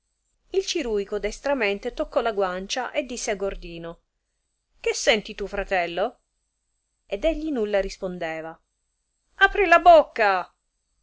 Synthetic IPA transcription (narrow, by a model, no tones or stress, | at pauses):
ilt͡ʃiɾujkod̪ɛst̪ɾament̪et̪okːɔlaɡwant͡ʃaʔed̪ːisːeaɡord̪iːno | kesːɛnt̪it̪ufɾat̪ɛlːo | ed̪eʎːinulːarispond̪ɛːva | apɾilabokːa